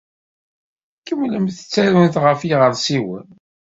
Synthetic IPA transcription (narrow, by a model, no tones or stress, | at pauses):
kːəmːləmθə̥t͡sːæɾʊnθʁəfiʁəɾˤsiwə̰n